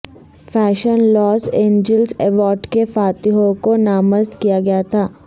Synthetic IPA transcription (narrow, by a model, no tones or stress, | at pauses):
fɛːʃənlɔːsẽːɲd͡ʒəlsɛʋɔːɾɖkefaːt̪iɦoːɾkonaːməzt̪kijaɡɐjat̪ʰaː